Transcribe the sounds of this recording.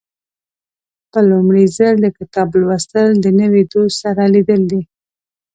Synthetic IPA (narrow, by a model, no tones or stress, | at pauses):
pəlʊmɽizəɾd̪əkɪt̪ɑblwast̪əld̪ənəwid̪ossaɾalid̪əld̪i